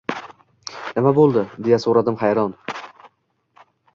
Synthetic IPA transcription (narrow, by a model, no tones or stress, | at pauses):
nɪmabolˠd̪ɪd̪e̞jasoɾad̪ɪmχajɾɒn